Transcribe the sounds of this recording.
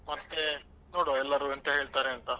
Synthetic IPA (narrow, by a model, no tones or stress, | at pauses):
mɐt̪ːe | noːɽoɛlːɐɾuɐnt̪ɐɦe̞ːɭt̪aːɾeɐnt̪ɐ